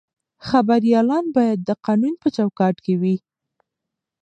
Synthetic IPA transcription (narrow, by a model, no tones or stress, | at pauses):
xabaɾjɑlɑnbɑjad̪ːəqɑnunpət͡ʃawkɑʈkewi